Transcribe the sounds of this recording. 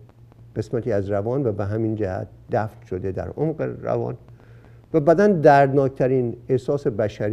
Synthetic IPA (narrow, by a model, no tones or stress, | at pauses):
ɢ̥e̞smæt̪ʰiːæzɾævɒːnvæbeɦæmiːnd͡ʒæhæ̰t̪̚d̪̥æft̪ʃo̞d̪e̞d̪æ̰ɾomɢḛɾæ̰vɒ̰ːn | væbæd̪ænd̪æɾd̪nɒːkt̪ʰæɾiːnehsɒːsebæʃæɾ